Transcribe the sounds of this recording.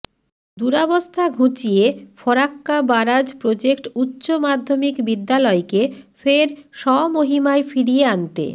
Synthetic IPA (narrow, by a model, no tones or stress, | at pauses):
d̪uɾabost̪ʰaɡʱut͡ɕijefɔɾakːabaɾad͡ʑpɾod͡ʑekʈutːɕomad̪ʱːomikbid̪ːalɔekefeɾʃɔmoɦimaefiɾijeant̪ḛ